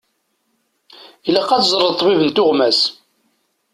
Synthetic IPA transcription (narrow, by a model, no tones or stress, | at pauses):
ilæqːɑt͡szˤɾˤət̪ˤːvivənt̪ʊʁmæs